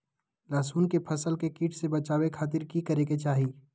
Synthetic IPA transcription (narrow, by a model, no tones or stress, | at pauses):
laːsuːnkepʰɐsəlkekiːʈʰsebɐt͡ʃaːwekʰaːt̪ɪɾkikɐɾeːket͡ʃaːɦiː